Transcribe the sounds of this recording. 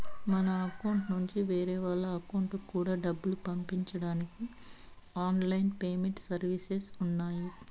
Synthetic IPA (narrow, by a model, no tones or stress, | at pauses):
mɐnɐːkɐwuɳʈnuɲt͡ʃiʋeːɾɛːʋaːlːɐːkɐwɳʈukːuːɽaːɖɐbːulupɐmpiɲt͡ʃɐɽaːniki | aːnlɐjinpeːmeɳʈsɐɾʋisesunːaːji